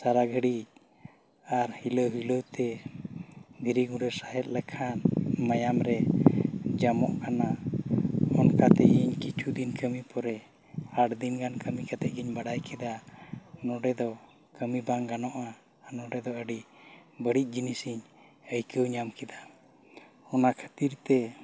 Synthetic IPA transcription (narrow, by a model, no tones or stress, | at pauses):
saɾaɡʱəɽic̚ | aɾhiləwɦiləwt̪ɛ | d̪ʱiɾiɡuɖəɾsaɦɛt̪̚lɛkʰanmajamɾɛ | d͡ʒamɔ̰ʔkana | ɔnkat̪ɛʔiɲkit͡ʃʰud̪inkʰəmipɔɾɛ | aɽd̪inɡankʰəmikat̪ɛʔɡiɲbaɽajkɛd̪anɔɖɛd̪ɔ | kəmibaŋɡanɔʔaː | nɔɖɛd̪ɔəɖibəɽic̚ˀd͡ʒinisiɲ | əjkəwɲamkɛd̪a | ɔnakʰə̥t̪iɾt̪ɛ